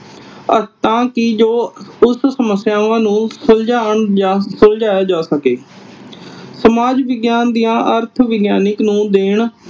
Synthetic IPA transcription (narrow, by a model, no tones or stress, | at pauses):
ət̪ãːkɪd͡ʒoːʊssəməsːɪjaːãːnũːsəld͡ʒaːɳːsʊld͡ʒaːjaːd͡ʒaːsəkeː | səmaːd͡ʒʋɪɡjaːnd̪ijãːʔəɾt̪ʰʋɪɡjaːnɪknũːd̪eːɳ